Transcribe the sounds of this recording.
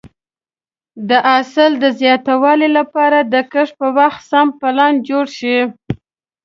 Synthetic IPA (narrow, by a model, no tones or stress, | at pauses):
d̪əʔasɪld̪əzjɑt̪awɑlilapɑɾad̪əkəʂpəwaxt̪sampalɑnd͡ʒoɽʃi